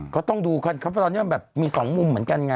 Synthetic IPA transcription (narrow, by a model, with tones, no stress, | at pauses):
kʰɔː˥˩t̪ɔ˥˩ŋduː˧kʰa˧˥˩nkʰa˦˥pʰt̪ɔ˧nːi˦˥˧bɛː˨˩p̚miː˧sɔː˩˦ŋmu˧mːɯ˩˦ənka˧nŋaː˧